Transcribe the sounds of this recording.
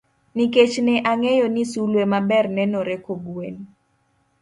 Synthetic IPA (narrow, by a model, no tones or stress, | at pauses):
niket͡ʃnɛʔaŋɛjɔnisulwemabɛrnɛnoɾɛkoɡwen